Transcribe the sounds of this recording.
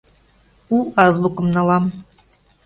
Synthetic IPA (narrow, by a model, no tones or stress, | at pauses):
uɑzbukɤ̆mnɑlˠɑm